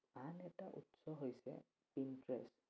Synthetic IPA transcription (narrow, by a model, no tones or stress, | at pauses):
anɛtaʔutsɔɦojsɛ̰ | pintɹɛ̰s